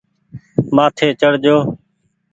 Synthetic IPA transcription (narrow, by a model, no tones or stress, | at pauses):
maːt̪ʰeːt͡ʃəɽ̤d͡ʒoː